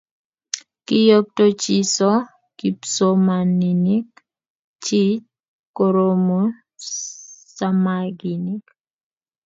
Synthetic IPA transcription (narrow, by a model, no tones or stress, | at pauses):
kijok̚tot͡ʃisɔ | kipsomaninik | t͡ʃit͡ʃ̚ | koɾomo | samaɡinik